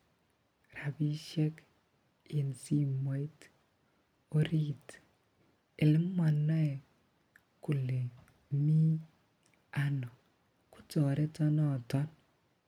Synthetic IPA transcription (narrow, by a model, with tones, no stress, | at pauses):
ra˨bi˦ʃɛ˦k | i˨nsi˦mwa˦i˦t | o˦ɾi˦t | ɪ˨lɪ˦mːa˨nːɔ˦ɛ˨ | ku˨le˨ | mi˦ | a˦nɔ˨ | ku̥˦tɔ˨ɾɛ˦tɔ˦nɔ˨tɔ˦n